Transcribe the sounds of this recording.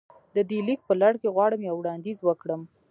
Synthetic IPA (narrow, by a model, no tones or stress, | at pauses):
d̪əd̪elik̚pəlaɽkeɣwɑɽəmjawɽɑnd̪izwəkɽəm